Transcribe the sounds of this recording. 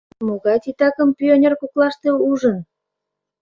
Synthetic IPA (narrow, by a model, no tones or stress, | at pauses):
moɣɑjt̪it̪ɑkəmpʲionʲerkuklɑʃt̪euʒən